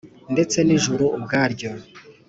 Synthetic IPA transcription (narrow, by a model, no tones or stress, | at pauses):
nde̞t͡se̞niʒuɾuːbɡaːɾɟo̞